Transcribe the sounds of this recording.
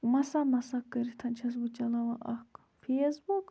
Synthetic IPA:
mɐsamɐsakːɐɾit̪ʰɐnt͡ʃʰɐs̬but͡ʃɐlɐwɐʔɐ̰k | fʰesbuk

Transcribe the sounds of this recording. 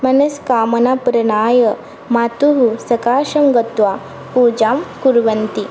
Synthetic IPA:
mɐnɐskaːmɐnapɾɐnaːjə | mat̪uɦusɐkaːʃɐŋɡɐt̪ʋa | pud͡ʒamkuɾʋɐnt̪i

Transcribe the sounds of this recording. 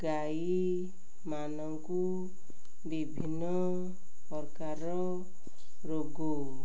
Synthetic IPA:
ɡa | i | manɔku | bibʱinːɔ | pɔɾkaɾɔ | ɾoɡu

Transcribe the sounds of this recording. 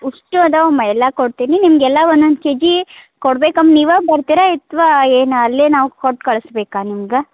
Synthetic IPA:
uʂʈud̪ɐomɐɛlːɐkoɽt̪ininimɡɛlːɐond̪ond̪ked͡ʒikoɽbeːkɐmniːʋabɐɾt̪iɾait̪ʋaeːnɐlːenaːʋukoʈːkɐɭsbeːkaːnimɐɡe

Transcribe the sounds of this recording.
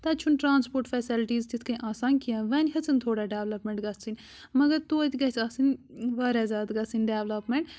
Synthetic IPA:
t̪ɐt͡ʃʰunʈɾaːnspoːɾʈfɛsilʈiːzt̪it̪ʰkɐʔaːsaːnkijɐ̃ʋɐnʲɦɐt͡sʰɨnt̪ʰoːɽaɖeːʋlɐpmeɳʈɡɐt͡sʰɨnʲ | mɐɡɐɾt̪oːt̪ʲɡɐt͡sasɨnʲʋɐɾɛːzaːd̪ɡɐt͡sɨnɖeːʋlɐpmeɳʈ

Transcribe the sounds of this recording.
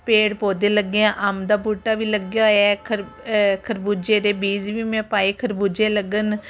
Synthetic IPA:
peːɽpoːd̪eːləɡeãːʔamd̪aːbuːʈːaːʋiːləɡjaːoɛkʰəɾ | kʰəɾbuːd͡ʒeːd̪eːbiːzʋiːmɛ̃ːpaːiːkʰəɾbuːd͡ʒeːləɡən

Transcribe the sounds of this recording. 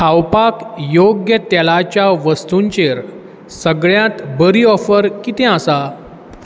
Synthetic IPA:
kʰawpakjoɡjət̪ɛlat͡ɕjaʋəst̪uɲt͡ɕeɾ | səɡɭjãt̪bəɾiɔfəɾkit̪ẽasa

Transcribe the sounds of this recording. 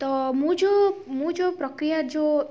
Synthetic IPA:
t̪ɔmũd͡ʒomũd͡ʒopɾɔkɾijad͡ʒo

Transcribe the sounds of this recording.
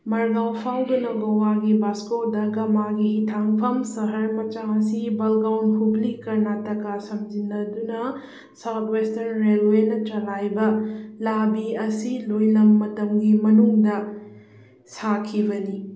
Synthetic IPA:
mɐɾɡawpʰawdɐnɐwɡɐwaɡibaskodɐɡɐmaɡihitʰaŋpʰɐmsɐɦɐɾmɐt͡ʃaɐsibɐlɡawnpʰublikɐɾnatɐkasɐmd͡ʒinːɐdunɐ | sɐwtwestɐnɾelwenɐt͡ʃɐlajbɐlabiɐsilojlɐmːɐtɐmɡimɐnuŋdɐ | sakʰibɐni

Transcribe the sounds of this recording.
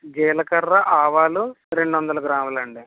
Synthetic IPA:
ɡɛːlɐkɐɾːɐʔaːʋaːlu | ɾe̞ɳɖuʋɐnd̪ɐlɐɡɾaːmɐlɐɳɖi

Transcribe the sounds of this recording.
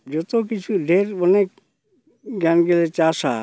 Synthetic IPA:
d͡ʒɔt̪okit͡ʃʰuɖʱeɾɔnek̚ | ɡanɡelet͡ɕaʃa̰

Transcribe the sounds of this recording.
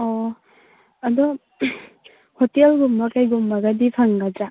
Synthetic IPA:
ɔ | ɐdɔ | hɔtelɡumbakajɡumbaɡadipʰaŋɡad͡ʒa

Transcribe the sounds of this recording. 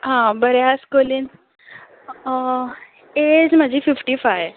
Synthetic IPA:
ɦãbəɾjaskolin | ed͡zm̤əd͡ʑʱiːfifʈifaj

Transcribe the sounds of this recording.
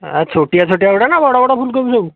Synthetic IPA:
a̰t͡sʰoʈijat͡sʰoʈjaʋɽanaʋɔɽaʋɔɽafuːlkəɾuseu

